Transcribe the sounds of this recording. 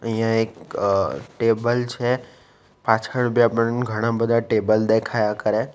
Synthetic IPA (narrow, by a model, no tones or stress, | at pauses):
ĩãek | ʈeːbəlt͡ʃʰe | paːt͡ʃʰəɽ̃bʱiapəɽɡʱəɽ̃ãbəd̪ʱaʈeːbəld̪ekʰaːjakəɾe